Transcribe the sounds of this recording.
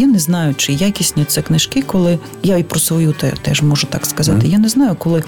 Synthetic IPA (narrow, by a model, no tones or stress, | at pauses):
janɛznɑjʊt͡ʃɪjakʲisʲnʲiɔt̪sɛknɪʃkɪkɔlˠɪ | jaipɾɔsʋɔjut̪ɛ̰t̪ɛ̰ʒmɔʒʊt̪ɑkskɐzɑt̪ɪjanɛznɑjʊkɔlˠɪ